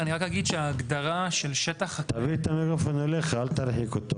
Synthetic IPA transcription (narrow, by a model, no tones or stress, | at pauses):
aniʁakhaɡid̪ʃeaːɡd̪aʁaʃe̞lʃet̪aχhat̪avit̪amekofonoleχalt̪aɾħikot̪o